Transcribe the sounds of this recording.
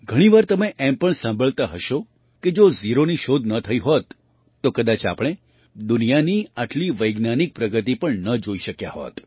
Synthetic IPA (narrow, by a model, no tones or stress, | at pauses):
ɡʱəɽ̃iʋaɾt̪əmeʔɛmpəɳsãmbʱəɭt̪aɦəʃo | ked͡ʒoziɾoniʃod̪ʱnət̪ʰəiɦot̪ː | okəd̪at͡ʃa̰pɽ̃e | d̪unijaniaʈliʋəjɡnanik̚pɾəɡət̪ipəɳnəd͡ʒoiʃəkja̰ɦo̰t̪